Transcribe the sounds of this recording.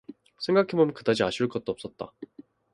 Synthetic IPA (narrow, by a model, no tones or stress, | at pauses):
sʰe̞ŋɡakʰebomnkɯdad͡ʑiaɕʰiuɭk͈ʌt̚t͈oʌp̚s͈ʌt̚t͈a̰